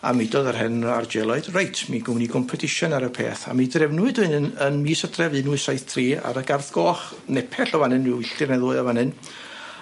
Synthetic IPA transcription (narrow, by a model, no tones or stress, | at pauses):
a̰midɔðərɦɛnard͡ʒɛlˠɔɨd̥rajtʰmiɡʊwniɡʰɔmpʰɔtʰɪʃɔnaɾəpʰḛːθa̰midrɛvnʊɨdʊɨnnənmiːsədrɛvɨnʊɨsajθtʰriːa̰ɾəɡarθɡ̥ɔːχ | nɛpʰɛɬɔvanɨnrɪwɪɬɨrnɛðʊːɨɔvanɨn